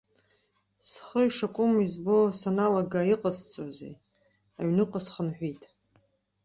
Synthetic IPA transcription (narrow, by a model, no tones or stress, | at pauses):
sχəiʂakʷʼʊmizbosanalaɡaiqʼəzt͡sʷʼazḛ | a̰ɥnɨqʼəsχənħʷᶣitʼ